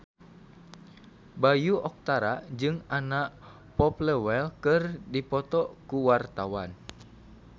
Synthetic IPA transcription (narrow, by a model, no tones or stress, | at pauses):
bajuʔɔk̚t̪aɾad͡ʒɨŋanaʔ | pɔplɛwɛlkɨrdipɔt̪ɔkuwart̪awan